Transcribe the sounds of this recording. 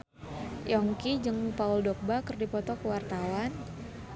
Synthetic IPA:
jɔŋkid͡ʒɨŋpaʊldɔk̚bakɨrdipɔt̪ɔkəwart̪awan

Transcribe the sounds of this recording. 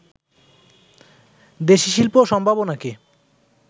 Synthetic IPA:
d̪eʃiʃilpoʃɔmbʱabonake

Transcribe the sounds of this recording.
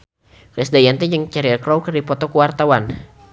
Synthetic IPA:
kɾɪsdajant̪id͡ʒəŋt͡ʃaɾiakɾɔwkərdipɔt̪ɔkuwart̪awan

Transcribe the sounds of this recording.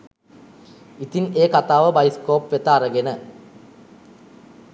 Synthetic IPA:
it̪ineːkɐt̪aːʋɐbɐjskoːpʋet̪ːaːrɐɡenɐ

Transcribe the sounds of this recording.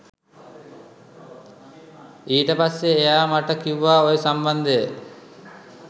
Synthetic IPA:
iːʈəpasːeːjaːmaʈəkiuʋaːojesamband̪ejə

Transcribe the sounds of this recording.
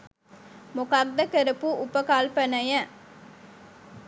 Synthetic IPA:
mokard̪əkəɾəpuʔupəkalpənɐjæ

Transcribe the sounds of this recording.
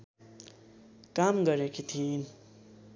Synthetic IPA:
kamɡʌɾekit̪ʰin

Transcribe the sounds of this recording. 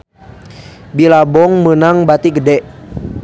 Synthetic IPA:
bilabɔŋmənaŋbat̪iɡədɛʔ

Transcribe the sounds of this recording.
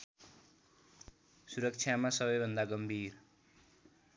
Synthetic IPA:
suɾʌk̚t͡ʃʰjamasʌbʌjbʱʌnd̪aɡʌmbʱiɾ

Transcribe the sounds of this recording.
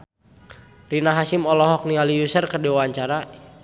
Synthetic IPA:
rinaɦasimɔlɔɦɔk̚nialijusərkədewaɲt͡ʃaɾa

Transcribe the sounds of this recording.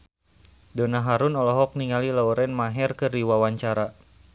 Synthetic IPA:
dɔnaɦaɾunɔlɔɦɔk̚niŋalilauɾɛnmaɦɛrkɨriwawaɲt͡ʃaɾa

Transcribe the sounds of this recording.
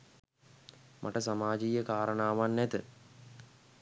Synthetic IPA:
mʔa̰ʈəsamaːd͡ʒijəkaːɾənaːʋanːɛt̪ə

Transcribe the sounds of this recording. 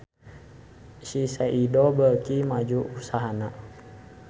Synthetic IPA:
sisɛʔidɔbəkimad͡ʒuusaɦana

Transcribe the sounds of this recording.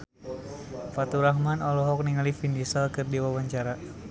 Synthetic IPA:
fat̪uɾahmanɔlɔɦɔk̚niŋalifindisalkɨrdiwawaɲt͡ʃaɾa

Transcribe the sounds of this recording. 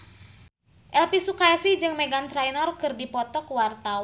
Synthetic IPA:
ʔɛlpisukajsid͡ʒɨŋmeɡant̪ɾɛjnɔrkɨrdipɔt̪ɔkwart̪a

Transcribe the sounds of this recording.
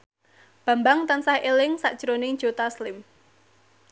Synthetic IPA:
b̥ä̤mbaŋt̪ansahʔelɪŋsa̰ʔd̥ʒ̥ɾonɪŋd̥ʒ̥o̤t̪aslɪm

